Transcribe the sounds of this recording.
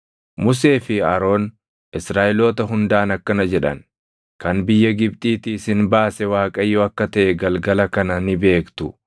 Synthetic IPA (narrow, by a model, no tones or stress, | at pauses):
mʊs̬e̞ːfɪɐɾo̞ːn | ʔɪsɾaːʔɪlo̞ːt̪ɐɦʊnd̪aːnɐkːɐnɐd͡ʒɛᶑɐ̰n | kɐnbɪjːɐɡɪb̚t̪ʼiːt̪ɪsɪnbaːsɛwaːkʼɐjːoːɐkːɐt̪ɐʔɛɡɐlɡɐlɐkɐnɐnɪbe̞ːkt̪ʊ